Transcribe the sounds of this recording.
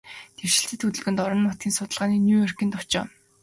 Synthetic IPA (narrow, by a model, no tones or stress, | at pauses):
t̪ʰerʃɪ̆ɬt̪ɘ̆t̪xɵt̪ɵ̆ɮɣɘ̆nt̪ɔɾɞ̆nːʊt̪ɡʲiːnsʊt̪ə̆ɮʁaːniːnʲuːœr̥kʲiːnt̪ʊt͡ɕɔ̰ː